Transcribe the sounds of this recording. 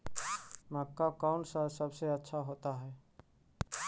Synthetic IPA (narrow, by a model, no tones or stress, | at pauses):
məkːakaʊɳsəsəbseətːʃʰaɦot̪aɦɛ